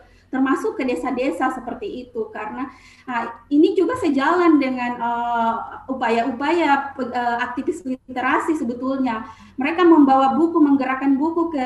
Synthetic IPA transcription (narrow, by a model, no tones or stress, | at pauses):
t̪ərmasʊkːədesadesasəpərt̪iːt̪ukaɾəna | əinid͡ʒuɡasəd͡ʒalandəŋanə | upajaupajaəəak̚t̪ifɪsəlt̪eɾasisəbət̪ulɲa | məɾekaməmbawabukuməŋɡəɾakanbukukə